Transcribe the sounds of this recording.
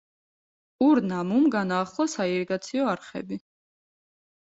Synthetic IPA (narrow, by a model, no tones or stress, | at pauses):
uɾnamumɡanaːχlˠɔsaiɾiɡat̪sʰiɔaɾχɛ̰bi